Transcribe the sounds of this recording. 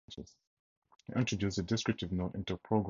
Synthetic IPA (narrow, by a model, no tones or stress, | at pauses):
t͡ʃə̰z̥ | hiʔɪ̃ntʰɹədjustədɪskɹɪp̚tɨvnoʊtɪ̰̃ntupʰɹ̥oɡɹ